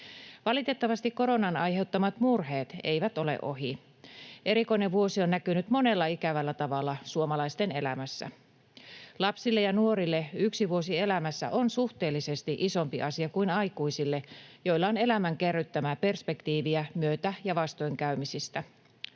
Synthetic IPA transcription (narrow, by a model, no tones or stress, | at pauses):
ʋɑlit̪e̞t̪ːɑʋɑst̪ikko̞ɾo̞nɑnɑjɦe̞ut̪ːɑmɑt̪murɦeːt̪e̞̰jʋæt̪o̞le̞̰ʔo̞̰ɦi | ʔe̞ɾiko̞ineʋʋuo̞sionːækynyt̪mo̞ne̞lːɑikæʋælːæt̪ɑʋɑlːɑsuomɑlɑist̪e̞ne̞̰læ̰mæsːæ̰ | lɑpsilːejɑnuoɾilːe̞yksiʋuosie̞læmæsːæ̰ʔonsuht̪e̞ːlːise̞st̪iʔiso̞mpiʔɑsiɑkuinɑjkuisilːe̞jo̞jlːɑone̞læmæŋkerːyt̪ːæmæpe̞rspe̞kt̪iːʋiæmyøt̪æjɑʋɑst̪ojŋkæymisist̪æ